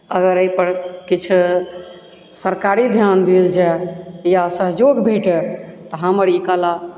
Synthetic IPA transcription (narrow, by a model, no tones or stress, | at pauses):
əɡəɾəjpəɾkit͡ʃʰ | səɾkaɾid̪ʱjand̪ild͡ʒajasəɦd͡ʒoɡbʱeʈɛt̪ɔɦəməɾikala